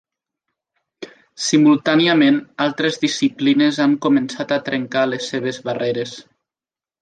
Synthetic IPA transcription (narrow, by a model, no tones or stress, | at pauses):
simulˠt̪aniəmenalˠt̪ɾezðisiplinezaŋkumensat̪at̪ɾeŋkalesːeβ̞ezβareɾes